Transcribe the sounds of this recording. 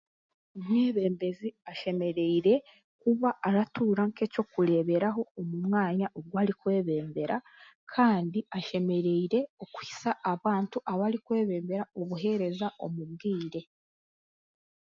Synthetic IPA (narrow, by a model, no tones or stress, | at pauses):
omŋeːβe̞ːmbe̞ziaʃe̞me̞ɾe̞iɾe̞ | kuβaːɾatuːɾaŋke̞co̞kuɾe̞ːβe̞ɾaɦo̞ːmumŋaːɲaʔo̞ɡɡwaːɾikwe̞ːβe̞ːmbe̞ɾa | kʰaːndiaʃe̞me̞ɾe̞iɾe̞okuisaʔːβaːntuʔaβaɾikwe̞ːβe̞ːmbe̞ɾaoβuɦe̞ɾe̞zaʔo̞̰muβɡiːɾe̞